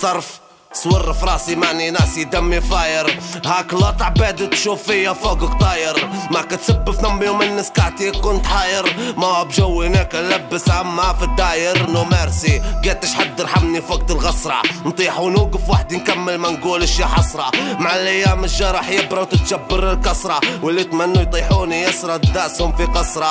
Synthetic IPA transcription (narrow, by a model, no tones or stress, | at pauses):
sˤɑɾˤf | swɑrːfɾˤɑːsimaʕninæsid̪amːifaːjəɾhaːklɑt̪ˤɑʕbæd̪ət̪ʃuːfɪjːafoɡəkt̪ˤɑːjəɾmakat̪sabːəfnamːjumənːəskaʕt̪ikʊnt̪ħaːjəɾmabʒawːihnekalæbːəsʕamːafid̪ajəɾnumaɾsiɡæt̪ːəʃħad̪ːəɾħamnifoɡ̚t̪əlɣɑsɾˤɑ̰nt̪ˤiħunuɡəfwaħəd̪nkamːəlmænɡuləʃiħɑsˤɾˤɑmaʕalʔajːæməʒːɑɾˤɑħjəbɾɑwt̪ət̪ʒabːəɾəlkɑsɾˤɑwəlːit̪mænːujt̪ˤiħunijəsɾˤɑd̪aʔshʊmfiqɑsɾˤɑ